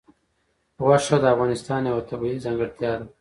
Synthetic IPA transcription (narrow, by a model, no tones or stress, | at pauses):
ɣwaʂad̪əafɣɑnɪst̪ɑːnjawat̪abilizaŋɡəɽt̪jɑd̪a